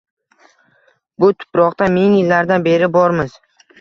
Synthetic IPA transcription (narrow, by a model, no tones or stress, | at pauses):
bʊt̪ʰʊ̥pɾɒqt̪ameŋɪlːaɾd̪anbe̞ɾɪbɒɾmɪz̥